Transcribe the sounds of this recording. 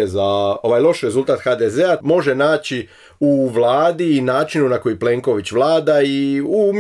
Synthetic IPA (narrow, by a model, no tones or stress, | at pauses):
ezao̞ʋajlˠo̞ʃɾe̞zulˠt̪aːt̪xad̪ezeamo̞ʒe̞naːt͡ɕi | uʋlaːd̪iːnaːt͡ʃinunako̞jiple̞ŋko̞ʋit͡ɕʋlˠaːd̪aium